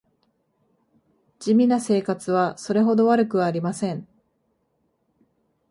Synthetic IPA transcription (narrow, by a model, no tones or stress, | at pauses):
d͡ʑimʲinase̞ːkat͡sɨβaso̞ɾe̞ɦo̞d̪o̞β̞aɾɯ̟kɯ̟βaːɾʲimasẽ̞ɴ